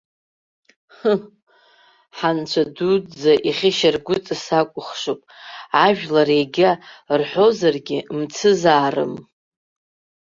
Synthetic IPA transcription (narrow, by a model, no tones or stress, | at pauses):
ħant͡ɕʷʰadud͡zaʔiχʲɪʃarɡʷʊt͡sʼɨsakʷʼʊχʂopʼaʒᶣlaɾejɡʲarħʷo̞zarɡʲɪmt͡sʰɨzaːrɨ̰m